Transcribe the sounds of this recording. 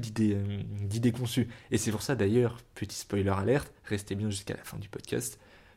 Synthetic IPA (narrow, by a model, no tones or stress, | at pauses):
d̪id̪eød̪id̪ekɔ̃syesɛpuʁsad̪ajœːʁpʰət̪ʰi̥spɔjlœʁalɛʁt̪ʁɛst̪ebjɛ̃ʒyska̰la̰fɛ̰̃d̪ypɔd̪kʲa̰st̪